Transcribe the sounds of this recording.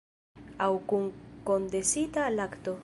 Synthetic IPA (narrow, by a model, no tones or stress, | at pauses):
awkuŋko̞nd̪esitalakt̪o̞